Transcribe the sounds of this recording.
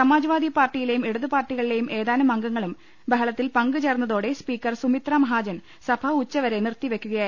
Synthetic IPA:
sɐmaːd͡ʑɐʋaːd̪ʱijpaːrʈːijile̞jumeɽuðɨpaːrʈːiɣɐɭile̞jumʔe̞ːðaːnɐmɐŋɡɐŋːɐɭum | bɐɦɐɭɐt̪ːilpɐŋɡɨt͡ɕeːrnːɐðo̞ːɽe̞spiːkːɐrsumit̪raːmɐɦaːd͡ʑɐn | sɐbʰʱɐut͡ɕːɐʋɐɾe̞nirt̪ːiʋe̞kʲːuɣɐjaː

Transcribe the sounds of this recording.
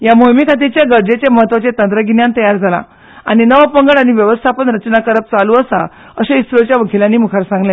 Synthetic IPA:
jamojmikʰat̪̬it͡ɕjaɡəɾd͡ʑet͡ɕeməɦət̪ːʋat͡ɕet̪ənd̪ɾəɡinjãnt̪əjaɾd͡zʱala̰ | aɽ̃inəʋpəŋɡəɽaɽ̃iʋjəʋəst̪ʰapənɾət͡ɕnakəɾəp̚t͡saluːəsa | əɕeist̪ɾot͡ɕjaʋəkʰiljãnːiːmukʰaɾsãŋɡlẽ

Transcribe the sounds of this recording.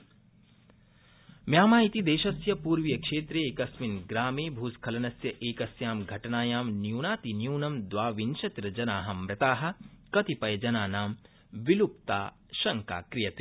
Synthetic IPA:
mjaːmaːjit̪id̪eːʃɐsjɐpuːɾʋjɐkʂeːt̪ɾeːkɐsminɡɾaːmeːbʱuːskʰɐlɐnɐsjɐʔeːkɐsjaːmɡʱɐʈɐnaːjaːmnjuːnaːt̪injuːnɐmd̪ʋaːʋinʃɐt̪ɾɐd͡ʒɐnaːɦɐmːɾɐt̪aːɦɐ̆kɐt̪ipɐjɐd͡ʒɐnaːnaːm | ʋilupt̪aː | ʃɐŋka̰ːkɾijɐt̪i

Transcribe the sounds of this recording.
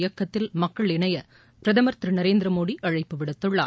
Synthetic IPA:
jɐkːɐt̪ːɪlmɐkːɐɭɪɳɐjɐ | pɪɾɐðɐmɐɾt̪ɾinɐɾeːnd̪ɪɾɐmoːɽiʔɐɻɐɪpːɯʋɪɽɐt̪ːɯɭːa̰ː

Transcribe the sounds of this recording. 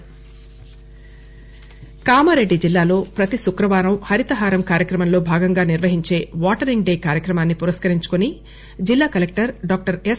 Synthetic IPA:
kaːmɐɾe̞ɖːid͡ʒilːaːlo̞ːpɾɐt̪isukɾɐʋaːɾɐmhɐɾit̪ɐɦaːɾɐmkaːɾjɐkɾɐmɐmlo̞ːbʱaːɡɐŋɡaːniɾʋɐɦiɲt͡ʃe̞ːʋaːʈɐɾiŋɡɖe̞ːkaːɾjɐkɾɐmaːnːipuɾɐskɐɾiɲt͡ʃu̥kuni | d͡ʒilːaːkɐlek̚ʈɐɾɖaːk̚ʈɐɾes

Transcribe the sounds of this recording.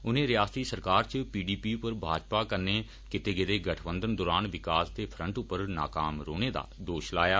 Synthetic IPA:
ʊnẽːɾɪjaːst̪iːsəɾkaːɾt͡ʃəpiːɖiːpiːpəɾbʱaːd͡ʒpaːkəɾneː | kɪt̪eːɡɪd̪eːɡəʈʰbənd̪ənd̪ɔːɾaːnʋɪkaːst̪eːpʰɾəɳʈʊpːəɾna̰ːkaːmɾoːneːd̪a̰ːd̪oːʃlaːjaː

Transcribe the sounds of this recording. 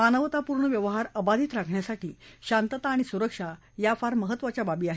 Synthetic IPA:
manəʋt̪apuːɾɳəʋjəʋəɦaɾəbad̪ʱiːt̪ɾakʰɳjasaʈiːɕant̪ət̪aːɽ̃isuɾəkʂa | jafaɾməɦət̪ːʋat͡ɕjababiːaɦe

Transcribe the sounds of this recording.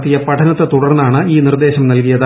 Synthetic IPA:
t̪ːijɐpɐʈʰɐnɐt̪ːet̪uɽɐrnːaːɳɨiːnird̪e̞ːɕɐmnɐlkijɐðɨ

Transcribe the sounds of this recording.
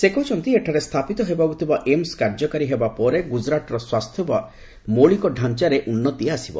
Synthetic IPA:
sekɔt͡ʃʰɔnt̪ieʈʰaɾest̪ʰapit̪ɔɦebaɡut̪ʰibaʔemskaɾd͡ʒɔkaɾiɦebapɔɾeɡud͡ʒɾaʈɔɾɔswast̪ʰjɔba | moɭikɔɖʱant͡ʃaɾeʔunːɔt̪ieasibɔ̰

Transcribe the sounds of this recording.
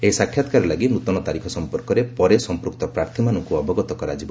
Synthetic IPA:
eisakʰjat̪kaɾɔlaɡinut̪ɔnɔt̪aɾikʰɔsɔmpɔɾkɔɾepɔɾesɔmpɾuk̚t̪ɔpɾaɾt̪ʰimanɔŋkuɔbɔɡɔt̪ɔkɔɾad͡ʒibɔ

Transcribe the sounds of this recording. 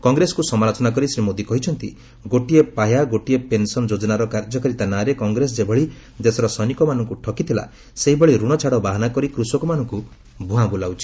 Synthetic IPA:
kɔŋɡɾesɔkusɔmaɾat͡ʃɔnakɔɾisɾimod̪ikɔɦit͡ʃʰɔnt̪i | ɡoʈiepajaɡoʈiepensɔnɔd͡ʒod͡ʒɔnaɾɔkaɾd͡ʒɔkaɾit̪anaɾekɔŋɡɾes̬ɔd͡ʒebʱɔɭi | d̪esɔɾɔsɔnikɔmanɔŋkuʈʰɔkit̪ʰila̰ | seɦibeɭiɾuɽ̃ɔt͡ʃʰaɽɔbaɦɔnakɔɾikɾusɔkumanɔŋku | bʱũɦãbulawt͡ʃʰi̥

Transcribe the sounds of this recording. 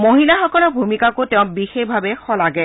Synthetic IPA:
moɦilaxɔkɔlɔɹbʱumikakotɛʊ̃bixexbʱabɛxɔlaɡɛ

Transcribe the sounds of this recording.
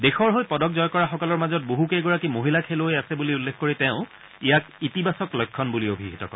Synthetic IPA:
dexɔɹɦojpɔdɔkzɔjkɔɹaxɔkɔlɔɹmazɔt̚boɦukeɡɔɹakimoɦilakʰeloojasɛbuliulːekʰkoɹitɛʊ̃ | ijakitibasɔklɔjkʰːɔnbuliobʱiɦitɔ̰kɔ̰ɹɛ

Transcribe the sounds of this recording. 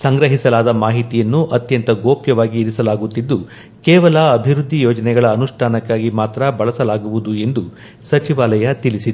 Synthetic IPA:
sɐŋɡɾɐɦisɐlaːd̪ɐmaːɦit̪ijɐnːuʔɐt̪jɐnt̪ɐɡoːpjɐʋaːɡiːɾisɐlaːɡut̪ːid̪ːu | kɛːʋɐlɐːbʱiɾud̪ʱːijoːd͡ʒɐnɛɡɐɭɐːnuʂʈʰaːnɐkːaːɡimaːt̪ɾɐbɐɭɐsɐlaːɡuʋud̪ue̞nd̪u | sɐt͡ʃiʋaːlɐjɐt̪ilisid̪e

